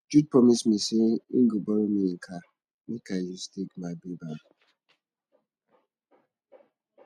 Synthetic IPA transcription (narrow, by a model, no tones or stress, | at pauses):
d͡ʒud̚pɔmismiseiɡubɔɾomiŋ̩kʰa | mikajustekmabiba